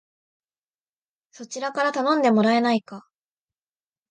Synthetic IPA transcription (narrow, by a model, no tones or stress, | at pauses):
so̞t͡ɕiɾakaɾat̪anõ̞nd̪e̞mo̞ɾae̞naika